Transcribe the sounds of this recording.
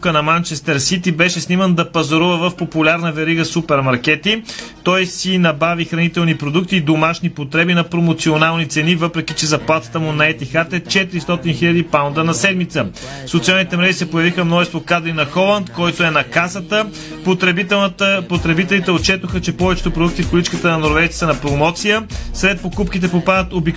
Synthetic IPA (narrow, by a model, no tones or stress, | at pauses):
kənɐmant͡ʃɛst̪ɛɾsit̪ibɛʃɛsnimənd̪ɐpɐzoɾuvəvəfpopʊlʲaɾnəvɛɾiɡəsupɛɾmɐɾkɛt̪it̪ɔjsinɐbavixɾɐnit̪ɛlˠnipɾod̪ukt̪iːd̪omaʃnipot̪ɾɛbinɐpɾomot̪sionalˠnit̪sɛnivɤpɾɛkit͡ʃɛzɐplˠat̪ə̥t̪əmunɐɛt̪ixat̪ɛt͡ʃɛt̪iɾist̪ɔt̪inxiʎʲɐd̪ipawnd̪ənɐsɛd̪mit̪sə | fsot̪sialˠnit̪ɛmɾɛʒisɛpojɐvixəmnɔʒɛst̪vokad̪ɾinɐxɔlˠənd̪kɔjt̪oɛnɐkasət̪ə | p̪ | pot̪ɾɛbit̪ɛlit̪ɛot̪̚t͡ʃɛt̪oxət͡ʃɛpɔvɛt͡ʃɛ̥t̪oʊpɾod̪uk̚t̪ifkolit͡ʃkət̪ənɐnoɾvɛjt̪i̥t̪ənɐpɾomɔt̪sijəsɾɛt̪̚pokupkit̪ɛpopad̪ət̪obik